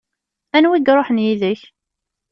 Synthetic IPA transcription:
ænwiɡɾˤoħənjiðəç

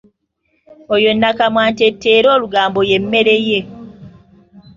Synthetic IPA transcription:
ojo̞nːakamwaːntetːeːɾo̞ːluɡaːmbo̞jemːe̞ɾe̞je̞

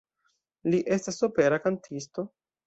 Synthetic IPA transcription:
liʔe̞stasope̞ɾakantʰisto̞

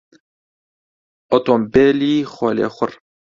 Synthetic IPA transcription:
ot̪oːmbeːliːxʷɔːlḛːxʷʊr

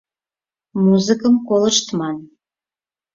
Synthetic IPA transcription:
muzɨkəmkolˠə̆ʃt̪mɑn

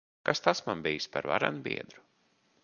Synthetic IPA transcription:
kast̪asmambijspaɾva̰ɾa̰nbḭɛd̪ɾu

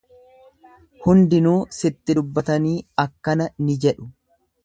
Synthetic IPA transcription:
hʊnd̪ɪnuːsɪt̪ːɪdʊbːɐt̪ɐniːɐkːɐnɐnɪd͡ʒɛᶑʊ̥

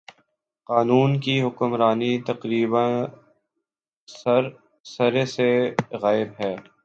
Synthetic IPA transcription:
qaːnuːnkiɦʊkʊmɾaːnit̪ɐqɾiːbən | ɾ | sɐɾeseɣaːɪbɦɛː

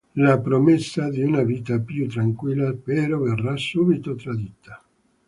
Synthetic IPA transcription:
lapɾomesːad̪iunaviːt̪apjut̪ːɾaŋkwilːapeɾɔverːasːubit̪ot̪ɾad̪it̪ʰːḁ

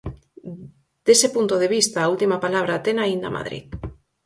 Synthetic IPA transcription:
d̪̥esepunt̪oðeβ̞ist̪aːult̪imapalaβ̞ɾat̪enaind̪ɐ̰mʔa̰ðɾḭð

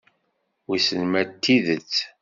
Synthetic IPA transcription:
wisəlmæt̪ːiðət͡sː

